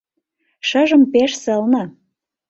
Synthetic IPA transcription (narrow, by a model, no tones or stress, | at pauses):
ʃəʒə̆mpeʃsəlnɑ